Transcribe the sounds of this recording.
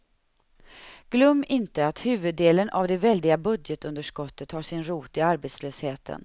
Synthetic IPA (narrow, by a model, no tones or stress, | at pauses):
ɡ̥lœmːɪnt̪əat̪hʉ̟ːvɵd̪ːeːlənʔa̰vd̪ɛvɛld̪ɪɡabɵd̪jət̪ɵnd̪əʂkɔt̪ːət̪haʂɪnɾuːt̪ɪaɾbeːt̪sløːsheːt̪ʰə̰n